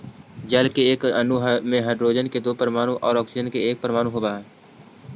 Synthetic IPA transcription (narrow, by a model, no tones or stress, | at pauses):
d͡ʒəlkeeːkənuɦmẽɦəɖɾoːd͡ʒənked̪oːpəɾəmaːñuʔɔ̰ːɾɔːksɪd͡ʒənkeeːk̚pəɾmaːñũɦoːbaːɦɛː